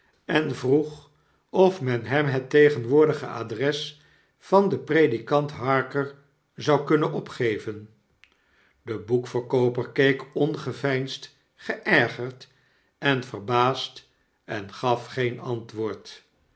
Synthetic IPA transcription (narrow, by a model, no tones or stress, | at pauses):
ɛnvruχ | ɔfmɛnɦɛmɦətejχənʋʊːɹdəχə̰ʔa̰ːdrɛs | fɑndəpredikɑntɦɑɹkəɹ | zɑwkɵnənɔpχejvən | dəbukfəɹkowpərkejkɔnχəvɛjnst | χəʔɛɹχəɹt | ɛnvərbaːst | ɛnχɑfχejnɑntʋʊːɹt